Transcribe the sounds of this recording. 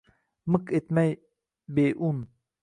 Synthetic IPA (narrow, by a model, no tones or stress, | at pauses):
məket̪mɛj | beʔun